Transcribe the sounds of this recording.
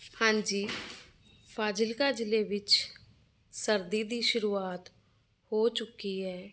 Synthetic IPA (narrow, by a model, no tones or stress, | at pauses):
hãːɲd͡ʒiː | pʰaːd͡ʒɪlkaːd͡ʒɪleːʋɪt͡ʃ | səɾd̪iːd̪iːʃʊɾuːaːt̪ | hoːt͡ʃʊkiːɦɛː